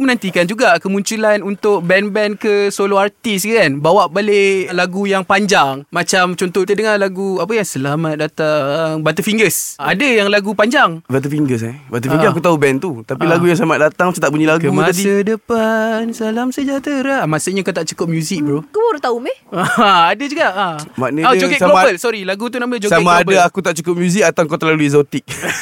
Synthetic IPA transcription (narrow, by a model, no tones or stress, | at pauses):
mənãnt̪ikand͡ʒuɡakəmuɲt͡ʃulanunt̪ʊʔ̚bɛnbɛnkəsoloart̪iskakanbawaʔbalelaɡujaŋpaɲd͡ʒaŋmat͡ʃamt͡ʃɔnt̪ɔt̪ədəŋalaɡuapəjaŋsəlamat̪̚dat̪aŋbat̪̬əfiŋɡəsadəjaŋlaɡupaɲd͡ʒaŋbat̪̬əfiŋɡəs̬ɛbat̪əfiŋɡəsakut̪aubɛnt̪ut̪apilaɡujaŋsəlamat̪̚dat̪aŋmat͡ʃamt̪aʔpuɲalaɡkəumat̪adiədəpansəalamsəd͡ʒat̪əɾaʔmasəɲakot̪aʔt͡ʃukʊp̚mjuzik̚bɾokuboɾat̪aumeaadəd͡ʒuɡaʔamanəot͡ʃokɛʔsalomabəlsɔɾilaɡut̪unamət͡ʃosamaabdaakut̪aʔt͡ʃukəp̚mjuzik̚at̪aŋkat̪əlaluizot̪ik̚